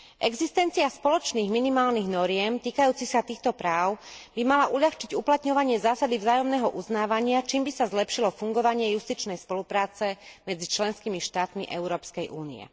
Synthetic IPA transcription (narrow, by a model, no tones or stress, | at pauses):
ʔɛɡzist̪ɛnt͡siaspɔlɔt͡ʃniːɣminimaːlniɣnɔɾɪɛmt̪iːkajuːt͡sixsat̪iːxt̪ɔpɾaːʊb̥imalaʔuʎaxt͡ʃiɟuplat̪ɲɔʋaɲɪɛzaːsad̪ivzaːjɔmnɛːɦɔʔuznaːʋaɲɪat͡ʃiːmbisazlɛpʃilɔfuŋɡɔʋaɲɪɛjust̪it͡ʃnɛjspɔlupɾaːt͡sɛmɛd͡zit͡ʃlɛnskimiʃt̪aːt̪miʔɛʊɾɔːpskɛjʔuːnḭɛ̰